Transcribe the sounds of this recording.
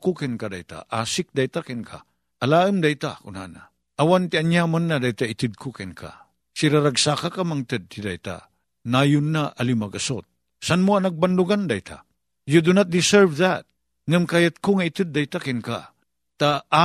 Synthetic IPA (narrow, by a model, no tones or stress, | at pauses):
kukʰenkada̰jta̰ʔa̰sik̚dajtakenkʰa̰ː | laəmdajtakuna̰na̰ | ɐwantianjamɐnːadajtaitʰɨd̚kʰukʰenkʰa̰ | siɾaɾaksakakamaŋtəd̚tidajta̰ | najunːaʔɐlimaɡɐsot̚ | sanmuɐnak̚banduɡandajtʰa̰ | judunat̚disəɾvdat̚ | ŋəmkajɐt̚kʰoŋaitɨt̚dajtakenkʰa̰ | taː